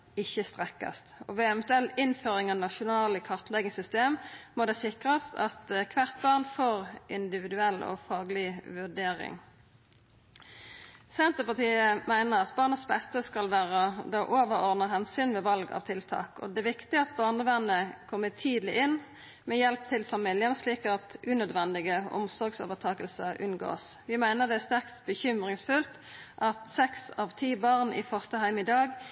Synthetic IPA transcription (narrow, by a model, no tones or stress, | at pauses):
ɪçːəst̪ʁɛkɑ̰st̪ɔʋeːɛmnt̪ʉɛlɪnføːʁɪŋɑːʋnɑʃʊnɑːləkʰɑʁt̪lɛɡɪsʏst̪eːmmɔd̪ɛsɪkʁəst̪ɑt̪kʰʋæʁt̪bɑːʁnfoːʁɪnd̪ɪʋɪd̪ʉɛlːɔ̰fɑːɡəlɪʋʉɖ̪eːʁɪ̰ŋ | sɛnt̪əpɑʁt̪ʰiːəmæɪnəʁɑt̪bɑːnəsbɛst̪əskɑlʋæːʁəd̪ɑːʔoːʋəʁɔʁd̪nəɦɛnsyːnmɛːʋɑlɡɑ̰ːʋt̪ʰɪlt̪ʰɑ̰ːkɔ̰d̪ɛæʋɪkt̪ɪɑt̪̚bɑːʁnəʋɛnəkʰɔmːət̪ʰiːd̪lɪ̰ʔɪn | mɛːjɛlp̚t̪ʰɪlfɑmɪljənsliːkɑt̪ʔʉːnœd̪ʋɛnd̪ɪɡəʊ̰msɔʁɡso̰ːʋət̪ʰɑːkəlsəʔʉnɡo̰ːsʋɪmæɪnəʁd̪ɛæst̪æʁkt̪bəçʏmʁɪŋsfʉlt̪ | ʔɑt̪sɛksɑːʋt̪ʰiːbɑʁnʔḭːfœʁst̪əhæɪmɪd̪ɑːɡ